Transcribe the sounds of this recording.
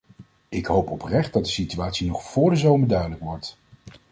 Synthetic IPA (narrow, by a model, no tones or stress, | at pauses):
ɪkɦowpɔprɛχt̚dɑt̚dəsityaːtsinɔχfʊːɹdəzowməɹdœɥdələkʋɔɹt